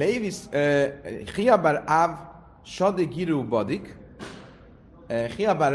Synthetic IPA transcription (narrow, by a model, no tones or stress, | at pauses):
leɪvis | χiabaɾav | ʃɔdɪkjiɾuːbɔdɪk | χiabaɾ